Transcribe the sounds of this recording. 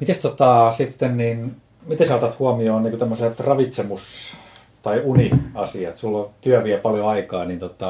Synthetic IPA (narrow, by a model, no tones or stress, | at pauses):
mit̪est̪ot̪ɑsit̪ːennin | mit̪esot̪ɑt̪huɑmioːnniːŋkut̪æmːoset̪rɑʋit̪semus | t̪ɑiuniɑsiɑt̪sulːot̪yæʋiæpɑljoɑikɑːnint̪ot̪ɑ